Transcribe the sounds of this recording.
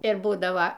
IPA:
ɪr ˈbuːdɐʋɐ

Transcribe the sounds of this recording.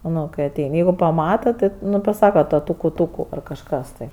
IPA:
ˈnʊ kɐɪ ɐˈtʲɛɪnʲ ˈjɛɪɡʊ pɐˈmɑːtɐ ˈtʲɪ ˈnʊ ˈpɑːsɐkɐ ˈtoː ˈtʊkʊ ˈtʊkʊ ɐr kɐʃˈkɐs tɐɪ

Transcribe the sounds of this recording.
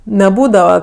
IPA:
nʲɛˈbuːdɐʋɐ

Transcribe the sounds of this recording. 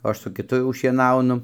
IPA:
oː ˈɐʃ ˈsʊ kʲɪˈtʊ jɛʊ ʃʲiɛˈnɐʊnʊ

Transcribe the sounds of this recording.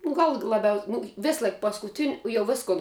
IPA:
nʊ ˈɡɐlˠ lˠɐˈbʲɛʊsʲ ˈnʊ ˈʋʲeːsˌlˠɐɪk pɐskʊˈtʲɪnʲ jɛʊ ˈʋʲɪskʊn

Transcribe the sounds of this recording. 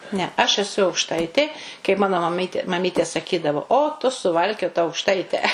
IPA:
nʲɛ ɐʃ ɛˈsʊ ɐʊkˈʃtɐɪtʲeː kɐɪp ˈmɑːnoː mɐˈmʲiːtʲeː mɐˈmʲiːtʲeː sɐˈkʲiːdɐʋoː oː tʊ sʊˈʋɐlʲkʲoːtɐ ɐʊkˈʃtɐɪtʲɛ

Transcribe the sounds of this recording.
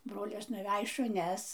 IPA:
ˈbroːlʲɪs nʊˈʋʲæj ʃʊˈnʲɛs

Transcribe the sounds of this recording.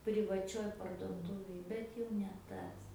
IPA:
pʲrʲɪʋɐˈt͡ʃʲoːj pɐrduɔˈtuːʋʲeːj ˈbʲɛt jɛʊ nʲɛ ˈtɐs

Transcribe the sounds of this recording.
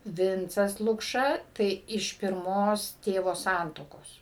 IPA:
ˈʋʲɪnt͡sɐs lˠʊkˈʃɐ tɐɪ ɪʃ pʲɪrˈmoːs ˈtʲeːʋoː ˈsɐntuɔkoːs

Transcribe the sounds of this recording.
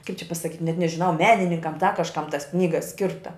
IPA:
kɐɪp t͡ʃʲɛ pɐsɐˈkʲiːtʲ nʲɛt nʲɛʒʲɪˈnɐʊ ˈmʲæːnʲɪnʲɪŋkɐm dɐ kɐʃˈkɐm tɐs ˈknʲiːɡɐ ˈsʲkʲɪrtɐ

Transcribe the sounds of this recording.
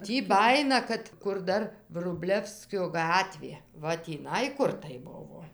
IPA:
ˈtʲiː ˈbɑːjɪnɐ ˈkɐt kʊr ˈdɐr ʋrʊˈbʲlʲæːwsʲkʲoː ˈɡɑːtʲʋʲeː ˈʋɐ tʲiːˈnɐɪ ˈkʊr tɐɪ ˈbʊʋoː

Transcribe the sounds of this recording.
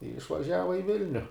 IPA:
ɪ ɪʃʋɐˈʒʲæːʋɐ ɪ ˈʋʲɪlʲnʲʊ

